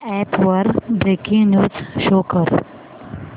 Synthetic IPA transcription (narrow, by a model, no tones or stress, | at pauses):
ɛpʋəɾbɾekĩŋnjuːzʃoːkəɾ